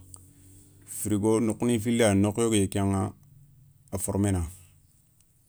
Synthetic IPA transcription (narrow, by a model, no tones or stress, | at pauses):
fiɾiɡonokːnifilanokjoɡjekaŋa | afoɾmena